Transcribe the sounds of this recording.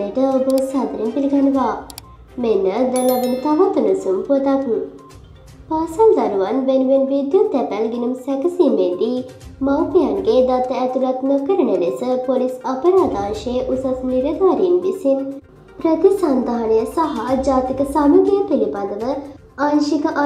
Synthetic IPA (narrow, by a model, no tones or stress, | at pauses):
əʈəobəsat̪əɾinpiliɡanəʋaː | menəd̪ɐlabinut̪aʋat̪unusumpuət̪aku | paːsɐnzaɾuʋanʋenuʋenʋid̪jut̪ɛpælɡinumsɛkəsiːmed̪iːmawpijanɡeːd̪at̪ːəɛt̪ulat̪nokəɾənənesəpolisɐpəɾaːd̪aːnʃejəʔusasniɾəd̪ʋaɾinʋisin | pɾət̪isɐnd̪aɦɐnəjəsɐɦad͡ʒaːt̪ikəsamuɡijəpilibad̪əʋə | aːnʃikəʔ